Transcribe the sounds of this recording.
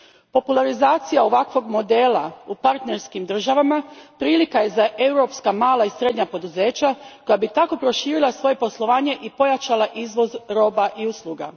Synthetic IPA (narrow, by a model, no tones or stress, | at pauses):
po̞pulˠaɾizaːt̪sijao̞ʋakʋo̞ɡmo̞d̪e̞ːlˠaupaɾt̪ne̞ɾskimd̪r̩ʒaʋamapɾiːlikaje̞zaʔe̞wɾo̞pskamaːlˠaisɾe̞d̪ɲapo̞d̪uze̞ːt͡ɕako̞jabit̪ako̞pɾo̞ʃiːɾilˠasʋo̞je̞po̞slˠo̞ʋaːɲe̞ʔipo̞jat͡ʃalˠaʔizʋo̞zɾo̞ːbaʔiuslˠuɡa̰